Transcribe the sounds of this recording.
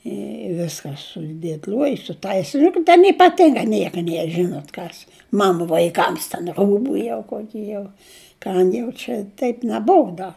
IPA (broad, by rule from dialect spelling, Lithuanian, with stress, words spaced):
ɪ ˈʋʲɪskɐ sʊdʲeːtʲˈlʲoːjʊs sʊtɐɪsʲ jʊk tʲɛn iːpɐˈtʲɪŋɡɐ ˈnʲiɛkɐ ˈnʲiɛr ˈʒʲɪnoːt ˈkɐs ˈmɑːnʊ ʋɐɪˈkɐms tʲɛn ˈruːbʊ jɛʊ ˈkoːkʲɪ jɛʊ ˈkɐm jɛʊ t͡ʃʲɛ ˈtʲɛɪp nʲɛˈbʊʊ ˈdɐ